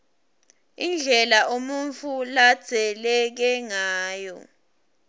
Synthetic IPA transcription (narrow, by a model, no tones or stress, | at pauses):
ind͡ɮʱɛlaʔomuɱt͡fʰulḁz̥ʱɛlɛk̬ɛŋaːjɔ